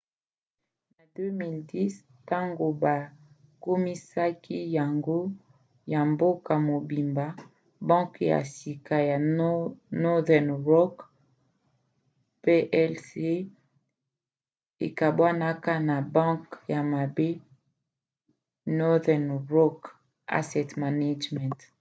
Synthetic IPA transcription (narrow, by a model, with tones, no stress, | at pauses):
na˨dø˦mi˨ldi˦s | ta˦ŋɡo˨ba˨ | ko˦mi˦sa˦ki˦ja˨ŋɡo˦ | ja˨mbo˦ka˨mo˨bi˨mba˨˦ | bɔ̃˦ŋkja̰˨si˨ka˨ja˨ | nɔ˦dɛ˨nʁɔ˦k | pe˦ʔɛ˦lse˦ | e˨ka˨bwa˦na˦ka˦na˨bɔ̃˦ŋkja˨ma˨be˦ | nɔ˦dɛ˨nʁɔ˦k | a̰˦sɛ˨tma˨na˦d͡ʒmɛ̃˨nt